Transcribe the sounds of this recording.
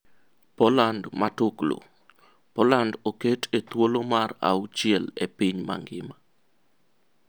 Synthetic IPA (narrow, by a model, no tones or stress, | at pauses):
pɔlandmatʊklo̰ | pɔlandoketʰet̪wolomara̰wut͡ʃiɛlepiɲma̰ŋɡɪ̰ma